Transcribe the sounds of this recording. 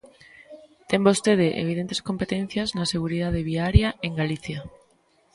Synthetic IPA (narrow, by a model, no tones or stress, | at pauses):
t̪embost̪eð̞eʔḛβiðent̪esko̞mpet̪en̟θjaznaseɣ̞uɾiðað̞eβiaɾjaʔeŋɡaliθja